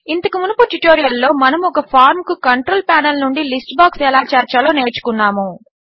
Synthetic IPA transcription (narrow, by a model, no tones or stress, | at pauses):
int̪ɐkumunɐpuʈuʈoːɾijɐlːo̞ːmɐnɐmɔkɐpʰaːɾmkukɐɳʈɾoːlpaːnɐlnuɳɖilisʈbaːksɛlaːt͡ʃɐɾt͡ʃɐlo̞ːne̞ːɾt͡ʃu̥kunːaːmu